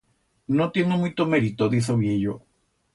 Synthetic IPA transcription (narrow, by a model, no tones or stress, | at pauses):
nõt̪jenomujt̪omeɾit̪oðisoβjejo